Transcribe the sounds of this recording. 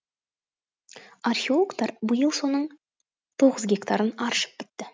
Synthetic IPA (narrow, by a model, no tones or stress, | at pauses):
arχʲeo̞lˠoɡt̪ɑɾbəjəlˠso̞nəɴ | t̪ʰo̞ʁəzɡʲe̞kt̪ɑɾənɑɾəʃə̥p̚b̥ɪt̪ːɪ